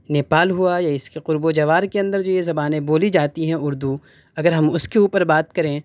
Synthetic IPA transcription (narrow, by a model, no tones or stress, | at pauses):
neːpaːlɦuajaɪskeqʊɾbod͡ʒɐʋaːɾkeɐ̃nd̪əɾd͡ʒoːjezɐbaːnẽboːlid͡ʒaːt̪iɦɛ̃ʊɾd̪u | ɐɡəɾɦɐmʊskeuːpəɾbaːt̪kɐɾẽː